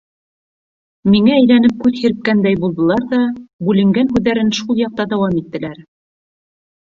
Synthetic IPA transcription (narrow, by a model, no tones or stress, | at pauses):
miŋæːjlænɘp̚kʉðhĭɾɘ̆p̚kænd̪æjbulˠd̪ɤ̆lˠɑɾðɑbʉlɘ̆ŋɡænɦʉðæɾɘnʃulˠjɑq̚t̪ɑd̪æwɑmit̪ːɘ̆læɾ